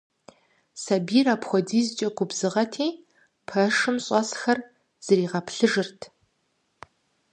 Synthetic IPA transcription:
sabiːɾaːpxʷɔdiːzɨt͡ʃʼɐɡʷʊbzɨʁɐtʰeː | pʰɐʂɨmɕʼɔsxɐr | z̥ɐriːʁɐpɬɨʒɨrtʰ

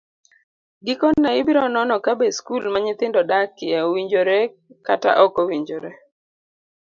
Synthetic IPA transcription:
ɡɪkoːaɪbɪɾɔnɔnɔkabeskulmaɲɪt̪ɪndɔdakːɪɛowiɲd͡ʒoɾɛ | kata̰ʔɔkɔwiɲd͡ʒoɾɛ

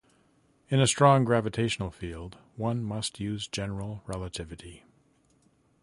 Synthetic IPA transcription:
ɨ̃nɨstɹ̥ɔ̃ŋɡɹævɨtʰeɪʃn̩l̩ˠfilˠd | wʌ̃nmʌst̚ʰjʉzd͡ʒɛnə˞l̩ˠɹɛlˠətʰɪvɨɾi

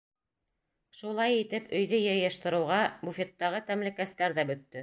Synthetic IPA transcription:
ʃulˠɑjit̪ɘpɵ̆jðɵjɤ̆jɤ̆ʃt̪ɤ̆ɾɤ̆wʁɑbufʲet̪ːɑʁɤt̪æmlɘ̆kæst̪æɾðæbɵ̆t̪ːɵ

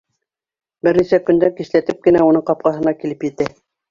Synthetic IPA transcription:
bɘɾnisækɵ̆nd̪æŋkislæt̪ɘp̚kɘ̆næunɤɴqɑp̚qɑɦɤ̆nɑkilɘpjɘ̆t̪æ

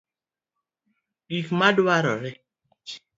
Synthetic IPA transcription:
ikmaduaɾɔ̰ɾɛ

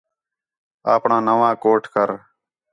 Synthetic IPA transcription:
a̰ːpɳãːnəʋãːkoːʈkəɾ

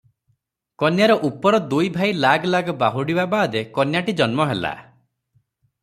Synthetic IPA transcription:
kɔnjaɾɔʔupɔɾɔd̪ujbʱajlaɡlaɡɔbaɦuɽibabaːd̪ekɔnjaʈid͡ʒɔnmɔɦela̰

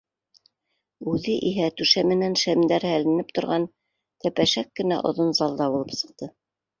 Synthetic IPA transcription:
ʉðɘʔiɦæt̪ʉʃæmɘ̆nænʃæmd̪æɾhælɘ̆nɘp̚t̪ŏɾʁɑn | t̪æpæʃækːɘ̆næ̰ʔŏ̰ðonzɑlˠd̪ɑbulˠɤpsɤ̥̆q̚t̪ɤ

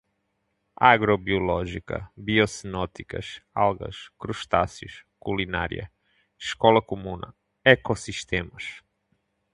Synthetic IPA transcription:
aɡɾɔbiolɔʒikɐ̰biɔsinɔt̪ikɐ̰ʃa̰lˠɣɐ̰ʃkɾuʃt̪asjuʃkulina̰ɾḭɐ̰ | ʃkɔlɐkumũnɐ̰ | ekosiʃt̪emɐʃ

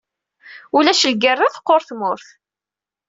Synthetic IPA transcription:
ulæʃəlɡərːɪθqːoɾθmʊɾθ

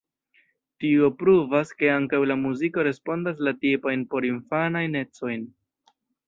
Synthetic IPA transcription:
tio̞pɾuvaske̞aŋkawlamuziko̞ɾe̞spo̞ndaslatipajnpo̞ɾinfanajne̞t͡so̞jn

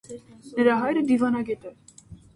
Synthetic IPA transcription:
nəɾɑɦɑjɾəd̪ivɑnɑɡɛt̪ɛ

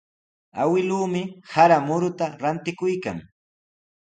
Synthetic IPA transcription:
a̰wɪluːmɪhaɾamʊɾʊt̪aɾant̪ɪkʊjka̰ŋ

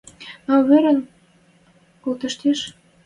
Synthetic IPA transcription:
ɑβeɾə̆n | kolt̪ə̆ʃt̪eʃ

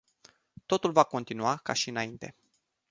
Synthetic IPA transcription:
t̪o̞t̪ulvako̞nt̪inuaka̰ʃiɨnaint̪e̞̰

